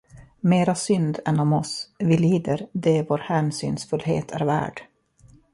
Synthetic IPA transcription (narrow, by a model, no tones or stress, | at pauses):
meːɾasʏnd̪ɛnɔmɔsvɪliːd̪əɾd̪ɛvoːɾhæːnsy̰ːnsfɵlɦḛːt̪ʰæɾvæ̰ːɖ̥